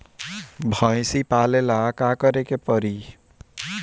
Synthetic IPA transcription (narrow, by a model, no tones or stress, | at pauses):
bʱə̃ɪ̃sipalelakakəɾekepəɾi